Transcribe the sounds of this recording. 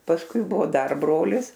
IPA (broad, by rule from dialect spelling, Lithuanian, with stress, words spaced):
pɐsˈkʊɪ ˈbʊʋoː ˈdɐr ˈbroːlʲɪs